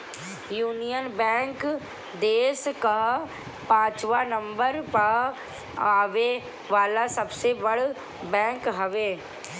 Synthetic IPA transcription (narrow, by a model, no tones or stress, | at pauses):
juːnijənbɛ̃ːŋk | d̪eːska | pãːt͡ʃʋaːnəmbəɾpa | aːʋe | ʋaːlasəbsebəɽ | bɛ̃ːŋkɦəʋeː